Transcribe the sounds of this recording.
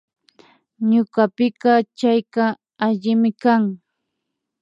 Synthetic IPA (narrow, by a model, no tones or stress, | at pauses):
ɲʊkɑpɪkɑt͡ʃajkɑ | aʎɪmɪkaŋ